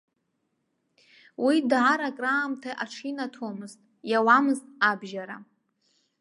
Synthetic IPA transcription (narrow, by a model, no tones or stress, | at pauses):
widʕaɾakʼraːmtʰaʔaʈ͡ʂʰinatʰomɨztʼ | jawamɨztʼabʒaɾa